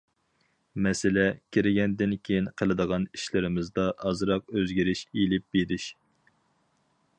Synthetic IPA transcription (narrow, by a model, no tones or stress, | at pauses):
mɛsɪlɛkʲʰɪɾɪɡʲɛnd̪ɪnkʲʰejinqʰəlˠɨd̪əʁɑniʃlɪɾɪmɪzd̪ɑʔɑzɨɾɑq̚øzɡʲiɾɪʃilɪp̚beɾɪʃ